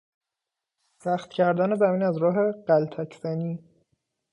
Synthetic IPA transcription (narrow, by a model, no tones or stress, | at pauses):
sæxt̪cʰæɾd̪æne̞zæmiːnæzɾɒːɦe̞ɢ̥ælt̪ʰæcʰzæniː